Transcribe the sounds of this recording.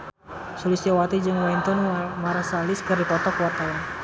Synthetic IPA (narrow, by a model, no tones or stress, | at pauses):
sulisiawat̪id͡ʒɨŋwɛnt̪ɔnmaɾasaliskɨrdipɔt̪ɔkwat̪aa